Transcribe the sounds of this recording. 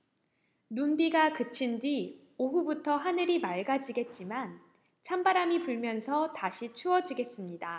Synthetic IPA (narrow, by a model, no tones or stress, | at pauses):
nunbiɡakɯt͡ɕʰindɥi | oɦubutʰʌɦanɯɾimaɭɡad͡ʑiɡe̞t̚t͡ɕ͈iman | t͡ɕʰambaɾamipuɭmjʌnsʰʌtaɕʰit͡ɕʰuʌd͡ʑiɡe̞s͈ɯmɲida